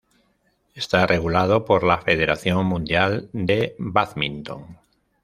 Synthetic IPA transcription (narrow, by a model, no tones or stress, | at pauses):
est̪arʔe̞ɣulað̞o̞poɾlafeðe̞ɾaθjo̞ŋmũnd̪jald̪e̞baθmĩnt̪o̞̰ŋ